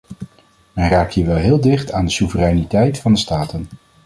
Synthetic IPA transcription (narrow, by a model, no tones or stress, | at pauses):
mɛnraːk̚thɦiːɹʋɛlˠɦɪːlˠdɪχtaːndəsuvərɛjnitɛjtfɑndəstaːtən